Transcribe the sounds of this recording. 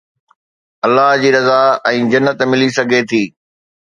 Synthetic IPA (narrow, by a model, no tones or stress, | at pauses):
ɐlːaɦd͡ʑiːɾɐzaɛ̃ːd͡ʑɐnːət̪mɪlisɐɡʱet̪ʰiː